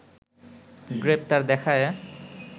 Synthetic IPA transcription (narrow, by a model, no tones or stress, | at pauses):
ɡɹep̚t̪aɹd̪ɛkʰaj